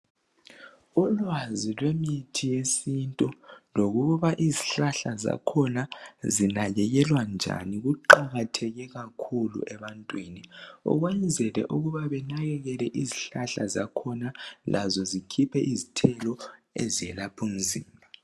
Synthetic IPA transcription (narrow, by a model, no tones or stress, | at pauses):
ulwazilwemitʰijesintʼuloɣuɣuβaʔiziɬaɬaza̰kʰɔnazinaɣɛɣɛlwand͡ʒʱa̰niɣuǃaɣatʰɛɣɛɣakʰulṵʔɛβantʼwiːniɔ̰ɣwɛnd͡zʱɛlɛ̰ʔuɣuβaβɛnaɣɛɣɛlɛʔiziɬaɬa̰za̰kʰɔnalʔa̰zɔzikʰipʰɛʔizitʰɛlɔezijɛlapʰum̩ziːmbʱa